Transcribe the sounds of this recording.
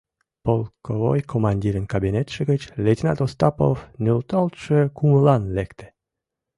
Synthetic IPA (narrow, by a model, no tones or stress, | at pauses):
polˠkovo̰jkʰomɑnʲdʲiɾənkɑbinet̪ʃə̆ɣət͡ɕlʲetʲinɑ̰t̪ost̪ɑpo̰fnylt̪ɑlt̪ʃəkuməlɑnlekt̪ĕ̥